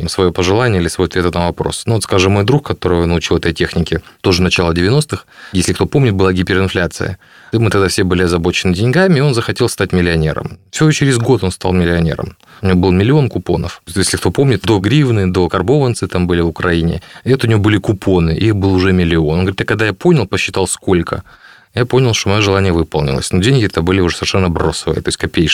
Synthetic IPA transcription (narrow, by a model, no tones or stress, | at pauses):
svɐjo̞pəʐɨlˠanʲɪilʲɪsvojoɐt̪vʲet̪ənəvɐpɾo̞̰snuot̪skaʐɨmo̞jd̪ɾuxkɐt̪o̞ɾɨjonlʊt͡ɕilˠɛt̪əjtʲexnʲɪkʲɪt̪o̞ʐɨnɐt͡ɕalˠədʲɪvʲɪno̞st̪ɨxjesʲlʲɪkt̪opo̞mnʲɪt̪̚bɨlˠaɡʲipʲɪɾɨnflʲat̪sɨ̰jə̰ | mɨt̪ɐɡd̪afsʲebɨlʲɪɐzɐbo̞t͡ɕɪnɨdʲɪnʲɡamʲɪɪo̞nzəxɐtʲelˠst̪atʲmʲɪlʲɪɐnʲe̞̰ɾə̰mfsʲɪoot͡ɕɪɾʲɪzɡo̞t̪o̞nst̪a̰lˠmʲɪlʲɪɐnʲe̞̰ɾə̰m | ʊnʲɪvobɨlˠmʲɪlʲɪo̞nkʊpo̞̰nə̰fjesʲlʲɪkt̪o̞po̞mnʲɪt̪̚d̪o̞ɡɾʲivnɨd̪o̞kɐrbo̞vənt̪sɨt̪ambɨlʲɪvʊkɾɐinʲɪ̰ɛt̪əʊnʲɪvobɨlʲɪkʊpʰo̞nɨʔɪ̰ixbɨlˠʊʐɛmʲɪlʲɪo̞nonɡəvɾʲit̪jakɐɡd̪ajapo̞nʲɪlˠpəɕːɪt̪ɑlˠsko̞lʲkʰə̰ | japo̞nʲɪlˠʂt̪oɐjoʐɨlˠanʲɪjəvɨpəlˠnʲɪ̰lˠə̰sʲnodʲenʲɡʲɪɛt̪əbɨlʲɪʊʐɛsəvʲɪrʂɛnːəbɾo̞səvɨ̰ə̰t̪o̞ɪsʲtʲkɐpʲejʂ